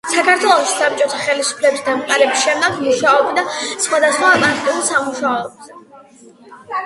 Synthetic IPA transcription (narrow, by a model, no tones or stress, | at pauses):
sakʰaɾt̪ʰwɛlˠɔʃi̥sap̚t͡ʃʼɔt̪ʰaχɛlisu̥pʰlɛbisd̪amqʼaɾɛbisʃɛmd̪ɛɡmuʃaɔbid̪asχwad̪asχwamat̪ʼiulˠsamuʃaɔbzɛ